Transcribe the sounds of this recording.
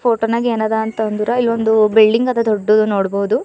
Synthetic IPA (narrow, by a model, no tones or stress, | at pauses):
oːʈonaːɡeːnad̪aːnt̪ɐɐnd̪uɾɐilːond̪ubilɖiŋɡɐd̪ɐd̪ɔɖːud̪unoːɽboɦud̪u